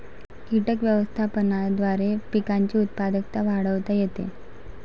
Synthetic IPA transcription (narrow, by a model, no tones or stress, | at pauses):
kiʈəkʋjəʋəst̪ʰapənad̪ʋaɾepikaɲt͡ɕiːut̪̚pad̪ək̚t̪aʋaɽəʋt̪ajet̪ḛ